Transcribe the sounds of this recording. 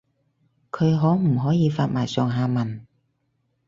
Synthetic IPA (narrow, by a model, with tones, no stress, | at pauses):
kʰɵ˨˧jɦɔː˨˥m̩˨˩ɦɔː˨˥jiː˨˧faː˧t̚maː˨˩jsɔː˨˩ŋɦaː˧mɐ˨˩n